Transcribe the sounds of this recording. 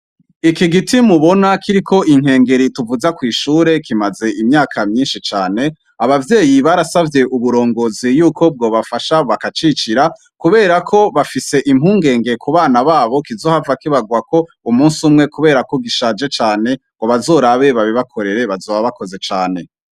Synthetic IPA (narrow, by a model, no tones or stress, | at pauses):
ikiɡitimuβo̞nakʰiɾikʰo̞ʔiŋ̥he̞ːŋɡe̞ɾituvuzakwiːʃuːɾe̞kimaze̞ʔimɲaːkʰamɲiːnʃit͡ʃaːne̞ | aβavje̞ːjiβaɾasavje̞ʔuβuɾo̞ːŋɡo̞zijuːko̞b̚ɡo̞ːβafaʃaβakat͡ʃit͡ʃiɾa | kuβe̞ːɾakʰo̞βafise̞ʔimhuːŋɡe̞ːŋɡe̞kuβaːnaβaːβo̞kizo̞ːhavakiβaɡwako̞ | umuːnsumŋe̞kuβe̞ːɾako̞ɡiʃaːd͡ʒe̞t͡ʃaːne̞ŋɡ̥oβazo̞ːɾaβe̞βaβiβakʰo̞ɾe̞ɾe̞βazoːβaβako̞ze̞t͡ʃaːne̞